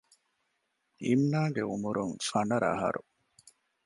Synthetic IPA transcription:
imnaːɡeumuɾuŋfɐnɐɾɐ̰ɦɐ̰ɾu

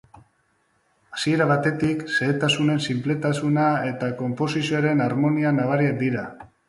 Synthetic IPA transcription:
asie̞ɾaβ̞at̪e̞t̪ikse̞ːt̪asune̞nsimple̞t̪asunae̞t̪ako̞mpo̞sisioaɾe̞naɾmo̞nianaβ̞aɾiak̚d̪iɾa

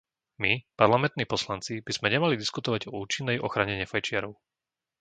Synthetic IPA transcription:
mipaɾlamɛnt̪niːpɔslant͡sib̥iz̥mɛɲɛmalid̪iskut̪ɔʋaɟɔuːt͡ʃinːɛjʔɔxɾaɲɛɲɛfajt͡ʃɪaɾɔʊ

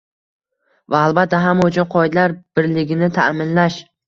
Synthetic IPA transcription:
vaːlˠbat̪ːaɦamːaʊt͡ʃʰʊnqʰɒɪd̪laɾb̥ɪɾlɪɡʲɪnɪt̪ʰaʔmɪnlaʃ

